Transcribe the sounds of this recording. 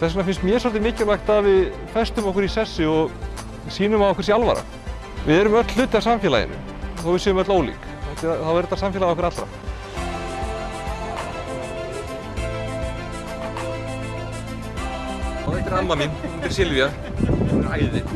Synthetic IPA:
θɛs̬nafɪnst̪mjɛɾsɔlt̪̬ɪmɪːcɪɾlajxt̪aðvɪð | fɛst̪ʏmɔhkʏɾisɛsːɪɔɣ | siːnʏmavɔhkvɛɾsialva̰ɾa̰ | vɪðɛɾʏmœt̪l̥ːʏːt̪ːɪasamfjɛla̰jɪ̰nʏ̰ | θawvɪðsɛːðʏmœt̪loːwlḭk | ɛt̪ɪθavɛɾt̪ːasamfjɛlaðɔkvɾat̪ɾa̰ | aɛt̪ɾamːaminʏmt̪ɪɾ̥sɪlvja | aːjðɪ

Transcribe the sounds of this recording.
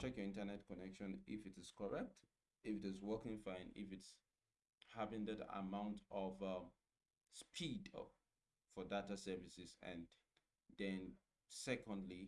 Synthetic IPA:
t͡ʃʰɛkjɔɪ̃ntənɛtkɔnɛkʃɔ̃nɪfɨtɪz̥kʰɔɹɛk̚t | ɪfɨtɪzwɜkɪ̃ŋfãɪ̃nɪ̰fɨts | havɪ̃ŋðəda̰mãʊ̃ntʰɔvʌ | spʰid | fɔdatasɜvisɪzɨ̰̃n | ðɛ̃n | sɛkɔ̃ndli

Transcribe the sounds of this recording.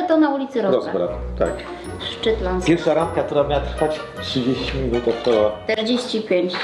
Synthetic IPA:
t̪ɔnaulʲit̪sɨɾɔɾɔzbɾa̰t̪t̪a̰k | ʂt͡ʂɛt̪lanpʲjɛɾfʂaɾant̪̚kakt̪uɾamʲjawat̪ɾfat͡ɕ | tʂɨd͡ʑeɕt͡ɕimʲinut̪ɔtt̪ɔwat̪ɛɾd͡ʑeɕt͡ɕipʲjeɲt͡ɕ

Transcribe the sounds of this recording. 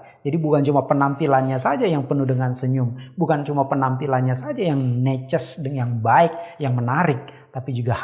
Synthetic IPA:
d͡ʒadibukant͡ʃumapənampilanɲasad͡ʒajaŋpənudəŋansəɲʊmbukant͡ʃumapənampilanɲasad͡ʒajaŋnɛt͡ʃəsdəŋjaŋbaɪk̚jaŋmənaɾɪk̚ | t̪apid͡ʒuɡah

